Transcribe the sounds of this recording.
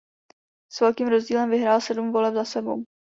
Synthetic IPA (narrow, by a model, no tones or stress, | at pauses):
svɛlkiːmɾo̞zɟiːlɛmvɪɦɾaːlsɛdumvo̞lɛbzasɛbow